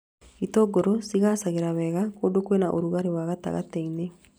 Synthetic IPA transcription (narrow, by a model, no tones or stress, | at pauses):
itoɡoɾosiɣasaɣeɾaβɛːɣakoːdokwenaʔoɾuɣaɾewaːɣata̰ɣa̰teine